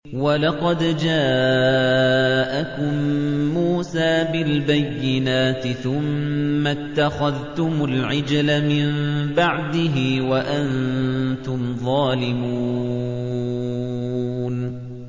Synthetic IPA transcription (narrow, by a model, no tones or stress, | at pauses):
walɑqɑd̪d͡ʒaː | ʔakʊmːuːsaːbɪlbajːɪnaːt̪ɪθʊmːat̪ːaxaðt̪ʊmʊlʕɪd͡ʒlamɪmbaʕd̪ɪɦɪwaʔant̪ʊmðˤɑːlɪmu | n